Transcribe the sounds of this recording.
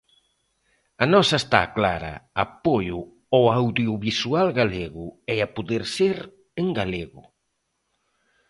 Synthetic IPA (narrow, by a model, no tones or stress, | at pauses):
ɐnɔsaest̪a̰klaɾɐ̰apojʊ | owawðjuβisualɣaleɣʊɛapuðeɾseɾ | eŋɡaleɣʊ